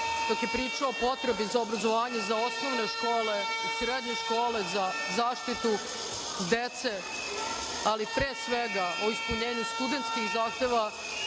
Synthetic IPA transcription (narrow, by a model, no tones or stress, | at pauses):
d̪̥okje̞pɾiːt͡ʂaopo̞t̪ɾe̞bizaobɾazo̞ʋaːɲe̞zao̞snoʋne̞ʃko̞ːle̞usɾed̪ɲeʃkoːle̞za | zaːʃt̪it̪u | d̪et̪se | alipɾeːsʋeɡaʔo̞ispuɲeːɲust̪ud̪e̞nt̪skixzaːxt̪e̞ːʋa